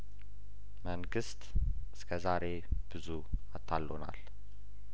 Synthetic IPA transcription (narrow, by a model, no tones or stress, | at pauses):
məŋɡɨst̪ | ɨskʰəzaɾe̞ | b̥ɨzu | at̪ʰːalːona̰l